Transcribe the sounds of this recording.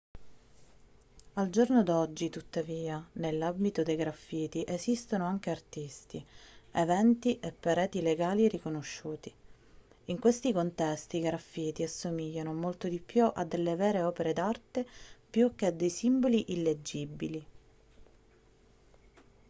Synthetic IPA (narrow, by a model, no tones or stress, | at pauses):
ald͡ʒornod̪ɔd͡ʒːit̪ut̪ːaviːanelːambit̪od̪ejɡɾafːiːt̪iʔezist̪onoaŋk̟eart̪ist̪ievɛnt̪iʔepːaɾɛːt̪ileɡaːliɾikonoʃːuːt̪i | iŋkwest̪ikont̪ɛst̪iɡɾafːiːt̪iasːomiʎːanomolt̪od̪ipːjuʔad̪ːelːevɛːɾeɔːpeɾed̪art̪epjuk̟ead̪ːejsimboliʔilːed͡ʒːibːili